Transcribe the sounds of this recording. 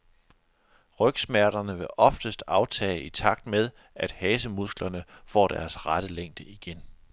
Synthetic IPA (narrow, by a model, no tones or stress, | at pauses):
ʁœɡ̥smæɐɾ̥ɐnəʋe̝ʔɒ̽fd̥əsd̥ɑ̈ʊt͡sʰɛ̰ːʔit͡sʰɑ̈ɡ̥̚d̥með̞ˠ | ʔæd̥hɛːsəmusɡ̥lɐnəfɒ̰ːd̥æɐsʁaɾ̥əleŋ̰d̥əiɡ̥en